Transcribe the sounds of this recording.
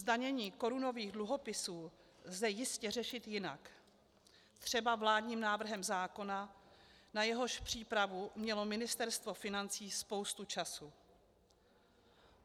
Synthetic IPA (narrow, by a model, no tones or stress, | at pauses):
zdaɲɛɲiːko̞ɾuno̞viːɣdluɦo̞pɪsuː | zɛjɪscɛr̝ɛʃɪt̪jɪna̰k | t̪r̝̥ɛbavlaːdɲiːmnaːvr̩ɦɛmzaːko̞na | najɛɦo̞ʃpr̝̥iːpɾavumɲɛlo̞mɪnɪst̪ɛɾst̪vo̞fɪnant͡siːspo̞wst̪ut͡ʃasu